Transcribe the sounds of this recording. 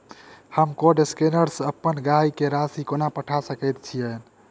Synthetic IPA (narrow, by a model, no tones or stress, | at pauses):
həmkoɖeskenəɾsəpːənɡaikeɾasikonapəʈʰasəkəjt̪̚t͡ʃʰijən